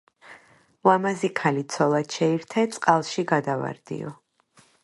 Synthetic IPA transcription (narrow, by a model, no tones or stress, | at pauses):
lamazikʰalit̪sʰɔlˠat̪ʃɛiɾt̪ʰɛt̪sʼqʼalˠʃiɡad̪ava̰ɾd̪̥ḭɔ̰